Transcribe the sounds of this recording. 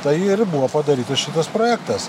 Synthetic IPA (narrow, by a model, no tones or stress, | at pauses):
t̪ɐɪɪɾbuʋopɐd̪ɐɾʲiːt̪ɐsʃʲɪt̪ɐspɾoːjæːkt̪ɐs